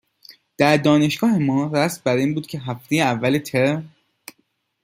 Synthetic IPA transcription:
d̪̥æɾd̪ɒːne̞ʃɡ̥ɒːhe̞mɒːɾæsmbæɾiːnbuːd̪̚cʰe̞ɦæft̪ʰejeævːælet̪ʰeɾ

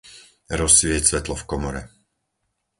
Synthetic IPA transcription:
ɾɔsʋɪɛcsʋɛt̪lɔfkɔmɔɾɛ

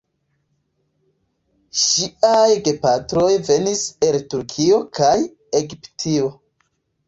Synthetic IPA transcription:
ʃiajɡe̞patɾo̞jve̞nise̞ltuɾkʰio̞kʰaj | e̞ɡiptʰio̞

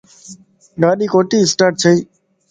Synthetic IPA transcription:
ɗaːɗiːkoːʈiːɪsʈaːʈ̚t͡ʃʰəiː

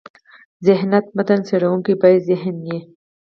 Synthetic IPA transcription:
zeɦnɐt̪̚mɐt̪ɐnseɾɐũːŋkibɐjzeɦnje

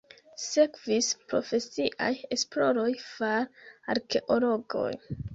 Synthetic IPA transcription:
se̞kvispɾo̞̰fe̞siʔa̰je̞splo̞ɾo̞jfaɾaɾke̞ʔolo̞ɡo̞̰j

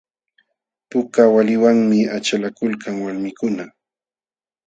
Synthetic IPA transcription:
pʊkawalɪwaŋmɪat͡ʃalakʊlkaŋwalmɪkʊna

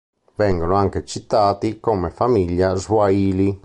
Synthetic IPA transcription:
vɛŋɡonoaŋket͡ʃit̪aːt̪ikomefamiʎːazwaiːli

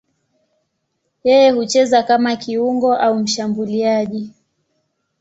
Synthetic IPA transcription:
jɛjɛhut͡ʃɛzakamakiuŋɡɔʔaum̩ʃambuliaʄi

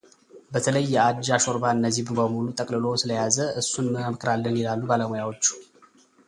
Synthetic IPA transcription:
bət̪ʰələjːɛad̪d͡ʒaʃo̞ɾbaɨnːəzːiβbəmulut̪ʼəkʼlɨlosɨləjazəʔɨsːunəmɨkʰʼɾalːɨnjɪlalːubaləmojawo̞t͡ʃːu̥

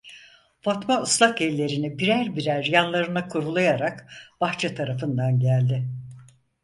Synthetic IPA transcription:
fat̪mauslˠakɛlʲːe̞ɾinibiɾæɾbiɾæɾjanlˠaɾɯnakʰuɾulˠajaɾakb̥axt͡ʃʰɛt̪ʰaɾafɯnd̪anɟælʲd̪ɪ

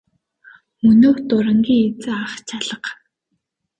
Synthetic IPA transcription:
ɵnoːwt̪ʊɾə̆ŋɡʲiːŋet͡sɘ̆aχt͡ɕʰaɮə̆q

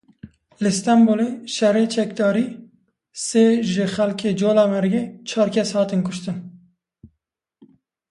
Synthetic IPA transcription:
lɨst̪ɑmboleʃɛreːt͡ʃʰɛkd̪ɑːɾiː | seːʒɪxɛlkʰeːd͡ʒoːlɑːmɛɾɡɛt͡ʃʰɑːɾkʰɛshɑːt̪ɨnkʊʃt̪ɨn

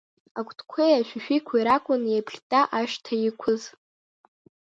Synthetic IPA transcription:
akʷʰʼtʰʼkʷʰejaʃᶣuʃᶣikʷʰaiɾakʷʼʊnjabɮʲtʼaʔaʃtʰaikʷʰʊz

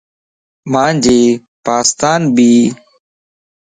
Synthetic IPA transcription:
mãːd͡ʒeː | paːst̪aːnbiː

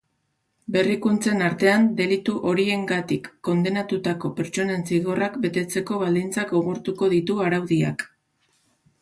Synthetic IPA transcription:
be̞rikunt͡se̞naɾt̪e̞and̪e̞lit̪uʔo̞ɾie̞ŋɡat̪ikːo̞nd̪e̞nat̪ut̪ako̞pe̞ɾt͡ʃo̞ne̞nsiɣo̞rakbe̞t̪e̞t͡se̞ko̞βald̪int͡sakɡo̞ɣ̞uɾt̪uko̞ð̞it̪uaɾawðia̰k

